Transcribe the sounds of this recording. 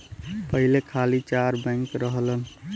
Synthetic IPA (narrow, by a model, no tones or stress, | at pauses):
pəɦilekʰalit͡ʃaɾbə̃ŋkɾəɦlən